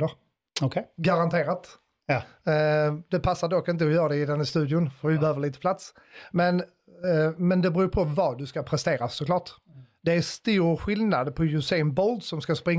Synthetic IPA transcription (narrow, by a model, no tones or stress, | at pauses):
əɾ | ɔkʰɡaɾant̪ʰeːɾat̪ | d̪ɛpʰasːaɖɔkːɪnt̪əɔjœːɾad̪ɛɪd̪ɛnːast̪ʉ̟ːd̪ɪʊnfœɾvɪbɛhøːvəɭiːt̪ə̥pʰlat̪s | mɛn | mɛnd̪ɛbɾʉːpʰɔvɑd̪ɵskapʰɾɛst̪eːɾasɔkʰlɑːʈ | d̪̥ɛæst̪uːɾɧɪlnad̪pʰɔjʉseːnbɔld̪sɔmskaspɾɪŋː